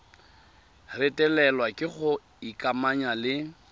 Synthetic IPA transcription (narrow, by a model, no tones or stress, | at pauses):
rɪtʼɛlɛlwakʼɪχʊ | ikʼamaɲalɪ